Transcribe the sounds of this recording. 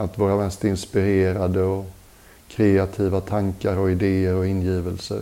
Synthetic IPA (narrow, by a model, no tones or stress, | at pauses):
at̪vɑːɾamɛst̪ɪnspɪɾeːɾad̪əɔ | kʰɾeat̪ʰiːvat̪ʰaŋkaɾɔɪd̪eːəɾɔɪnjiːvəlsə̰ɾ